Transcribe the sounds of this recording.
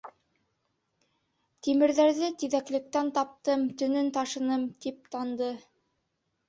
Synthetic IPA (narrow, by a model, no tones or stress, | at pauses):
t̪imɘ̆ɾðæɾðɘt̪iðæklɘ̆k̚t̪ænt̪ɑp̚t̪ɤmt̪ɵ̆nɵnt̪ɑʃɤ̆nɤmt̪ip̚t̪ɑnd̪ɤ